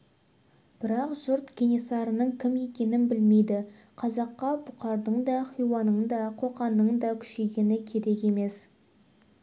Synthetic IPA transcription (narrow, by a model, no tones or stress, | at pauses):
b̥ɪɾɑqʒ̥ʊɾt̪ɡʲenʲesɑɾənəɴkʲʰɪme̞kʲe̞nɪnbɪlme̞jd̪ɪ | qʰɑzɑqːɑbʊqɑɾd̪əɴd̪ɑχijwɑnəɴd̪ɑqʰo̞qɑnəɴd̪ɑkʲʰʏ̥ʃe̞ɡʲe̞nɪkʲʰe̞ɾe̞ke̞me̞s